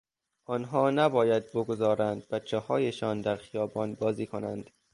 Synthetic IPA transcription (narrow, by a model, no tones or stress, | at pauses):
ʔɒːnɦɒːnæbɒːjæd̪̚boɡozɒːɾænd̪̚bætt͡ʃʰːehɒːjeʃɒːnd̪æɾxijɒːbɒːnbɒːziːkʰonæ̰nd̪̥